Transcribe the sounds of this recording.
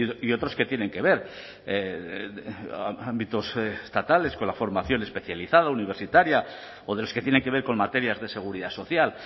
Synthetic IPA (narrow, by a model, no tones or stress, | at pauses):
io̞t̪ɾo̞ske̞t̪je̞nẽ̞ŋke̞β̞e̞ɾ | e | aambit̪o̞sst̪at̪ale̞sko̞nlafo̞ɾmaθjo̞nespe̞θjaliθað̞auniβe̞ɾsit̪aɾja | o̞ðe̞lo̞sket̪jene̞ŋkee̞ɾko̞nmat̪e̞ɾjazðe̞se̞ɣ̞uɾiðaso̞θjal